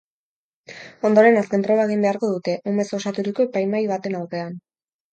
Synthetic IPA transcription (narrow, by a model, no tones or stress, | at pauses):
o̞nd̪oɾe̞naske̞nt̪ɾo̞βaeɣ̞imbe̞aɾko̞ð̞ut̪e̞ʔume̞so̞sat̪uɾiko̞epajmajβ̞at̪e̞nawkean